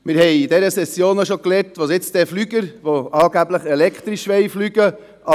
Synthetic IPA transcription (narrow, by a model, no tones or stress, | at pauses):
mɪɾhɛɪidɛɾəsɛsjoːnoʃokleːɾtʋosɪt͡sd̥ɛflyɡəɾʋoʔɑːɡæbləχɛlɛkχt̪ɾiʃʋɛɪflyɡ̥ə | ʔɑ